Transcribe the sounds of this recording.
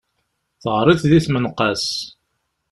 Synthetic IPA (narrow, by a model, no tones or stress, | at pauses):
θʁɾˤɪθðiθmənqɑs